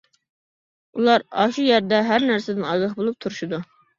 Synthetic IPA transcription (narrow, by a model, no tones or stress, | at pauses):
ulˠɑɾɑ̰ʃujæɾd̪ɛɦæɾnæɾsed̪ɪnɑɡɑχbolˠup̚t̪ʰuɾuʃud̪u